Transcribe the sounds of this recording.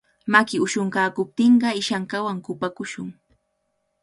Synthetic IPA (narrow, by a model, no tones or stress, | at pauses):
makɪʊʃʊŋkaːkʊp̚t̪ɪɴɢɑɪʃaŋkawaŋkʊpakʊʃʊŋ